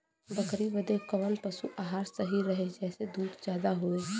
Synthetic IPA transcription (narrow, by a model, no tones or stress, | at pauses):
bəkɾiʋəd̪ekɐʋənpəsuʔaːɦaːɾsəɦiɾəɦed͡ʒɛːsed̪uːd̪d͡ʒjaːd̪aɦoeː